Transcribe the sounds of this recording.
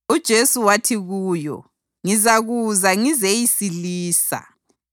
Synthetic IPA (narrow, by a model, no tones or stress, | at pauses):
ud̥ʒ̥ʱesuwatʰiɣuːjɔ̰ | ŋizaɣuzaŋizejisiliːsa̰